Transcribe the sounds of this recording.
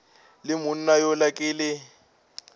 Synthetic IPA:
lɪmʊn̩najɔlakʼɪːlɪ

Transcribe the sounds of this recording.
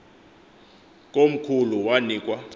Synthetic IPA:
k̬ʼom̩kʰuluwaniːkʼwa

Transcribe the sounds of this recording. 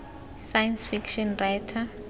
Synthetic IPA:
sajansfikʃɔnrajtʰa

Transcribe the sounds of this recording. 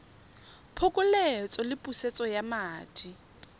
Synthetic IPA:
pʰʊkʼʊlɛt͡sʼɔlɪpʼuset͡sʼɔjamaːtʼi

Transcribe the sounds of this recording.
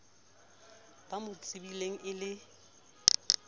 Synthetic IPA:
b̥amʊt͡sʼɪbileŋ̩ʔɪlɪ

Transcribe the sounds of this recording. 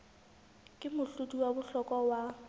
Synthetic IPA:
kʼɪmʊɬutʼuwabʊɬɔkʼɔwa

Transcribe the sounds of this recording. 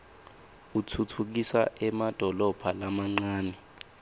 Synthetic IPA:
utʰutʰuk̬isa̰ʔɛmad̥ʱɔlɔb̥ʱalamaŋ͡ǀaːni

